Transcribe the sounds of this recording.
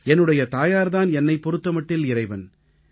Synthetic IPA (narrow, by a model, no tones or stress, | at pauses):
ɛnːɯɽɐjɐt̪aːjaːɾðaːnɛnːɐɪpɔɾɯt̪ːɐmɐʈːɪlɪrɐɪʋɐn